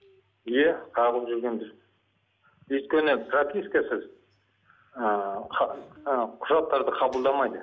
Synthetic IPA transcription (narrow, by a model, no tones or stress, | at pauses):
jeq̪ʰɑʁlˠəpʒʏɾɡʲe̞nd̪ɪɾ | ɵjt̪kʲe̞nɪpʰropʲiskɑsəz | əqʰ | qʰʊʒɑq̚t̪ːɑɾd̪əqʰɑbəlˠd̪ɑmɑjd̪ə